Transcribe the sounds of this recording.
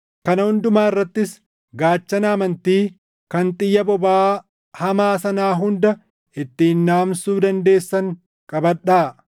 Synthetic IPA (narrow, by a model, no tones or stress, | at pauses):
kɐnɐhʊnd̪ʊmaːɪrːɐt̪ːɪs | ɡaːt͡ʃːɐnaːmɐnt̪iː | kɐnt̪ʼɪjːɐbɔbaː | hɐmaːsɐnaːɦʊnd̪ɐ | ɪt̪ːiːnːaːmsuːd̪ɐnd̪e̞ːsːɐŋ | kʼɐbɐᶑaː